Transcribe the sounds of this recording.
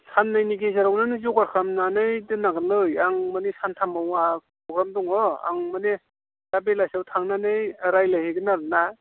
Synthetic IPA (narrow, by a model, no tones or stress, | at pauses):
sanːɯjniɡezaɾawnanɯzuɡaɾkʰamnanɯjdɯnaɡɯnlɯjaŋmanesantʰamawapʰɾɔɡɾamdɔŋɔa̰ŋmane | z̥abelajsawtʰaŋnanɯjɾajlajheɡɯnaɾɯna